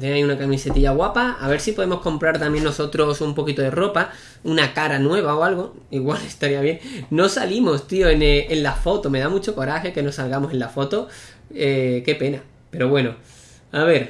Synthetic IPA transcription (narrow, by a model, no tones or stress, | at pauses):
t̪enaiunakamise̞t̪iʎaɣwapaaβe̞ɾsipo̞ð̞e̞mosko̞mpɾaɾt̪ambje̞nːo̞so̞t̪ɾo̞sumpo̞kit̪oðe̞ro̞pa | unakaɾanwe̞β̞aoalɣ̞o̞ | iɣwale̞st̪aɾiaβje̞ŋno̞salimo̞st̪ioeneenlafo̞t̪o̞me̞ðamut͡ʃo̞ko̞ɾaxe̞ke̞no̞salɣamo̞se̞nlafo̞t̪o̞ | eke̞pe̞na | pe̞ɾo̞βwe̞no̞ | aβe̞ɾ